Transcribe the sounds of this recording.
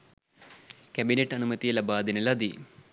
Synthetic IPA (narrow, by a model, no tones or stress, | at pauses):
kʲɐbineʈːɐnumɐt̪ijɐlɐbaːd̪inɐlɐd̪i